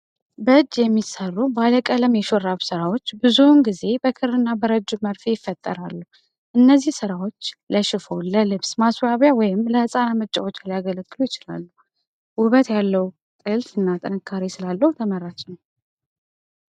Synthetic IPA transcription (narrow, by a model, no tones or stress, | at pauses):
bəɨd͡ʒːjɛmːisərːubaləkʼələmjɛʃoɾːaβsɨɾawo̞t͡ʃːbɨzunɡize̞bəkʰɨɾɨnːabəɾəd͡ʒːuməɾfejɪfːət̪ʼːə̰ɾalːuh | ʔɨnːəzːihsɨɾawo̞t͡ʃːləʃɪfo̞ləlɨβsmaswaβjawɔjɪmləhɨsʼanamət͡ʃʼa̰wot͡ʃːlajaɡələɡːɨlujɪt͡ʃɪla̰lːu | wʊβət̪jalːəw | t̪ʼɨlfɨnːat̪ʼɨnɨkʰːaɾisɨlalːəhut̪ʰəmərːat͡ʃnw